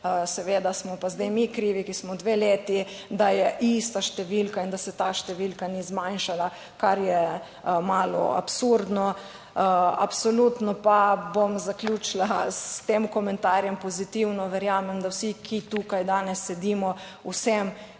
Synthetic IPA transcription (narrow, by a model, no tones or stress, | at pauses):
sɛʋeːd̪asmɔpazd̪ejmikɾiːʋikismɔd̪ʋeleːt̪i | d̪ajɛʔist̪aʃt̪ɛʋilkaind̪asɛt̪aʃt̪ɛʋilkanizmajnʃala | kaɾjɛ | maːlɔ̰a̰psuɾd̪nɔ | a̰psolut̪nɔpabomzaklʲut͡ʃlast̪eːmkɔmɛ̃nt̪aːɾjɛmpɔzit̪iwnɔʋɛɾjaːmɛmd̪awsikʰit̪ukajd̪aːnɛsːɛd̪iːmɔ | ṵsɛm